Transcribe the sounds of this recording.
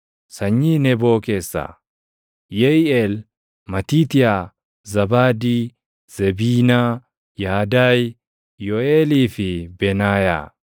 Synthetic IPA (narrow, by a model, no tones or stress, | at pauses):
sɐɲːiːnɛbo̞ːke̞ːsːa̰ | jɛjɛːl | mɐt̪iːt̪ɪja | zɐbaːd̪iː | z̥ɛbiːnaː | jaːd̪aːj | jɔeːliːfɪbɛnaːja̰ː